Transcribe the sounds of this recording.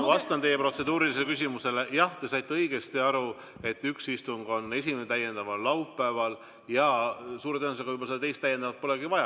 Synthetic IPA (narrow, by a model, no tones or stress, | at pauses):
vɑst̪ɑnt̪e̞jːe̞pro̞t̪se̞d̪̥uːɾiliselekys̬ʲimuse̞le̞jɑht̪e̞sɑjt̪ːeɤjɡ̥e̞st̪iɑɾu | e̞t̪ːyksist̪uŋɡ̥o̞nːe̞s̬ʲimenet̪æjːe̞nd̪̥ɑvɑlːɑwpːˑæːvɑl | jɑsuːɾet̪æːnmuseɡɑujbolseɑt̪e̞jst̪æjːend̪ɑvɑt̪̚po̞le̞ɡivɑjɑ